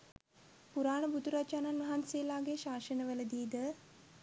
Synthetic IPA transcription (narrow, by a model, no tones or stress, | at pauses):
puɾaːnəbud̪uɾat͡ʃaːnanʋɐɦanseːlaːɡeʃaːʃənəʋələd̪iːd̪ə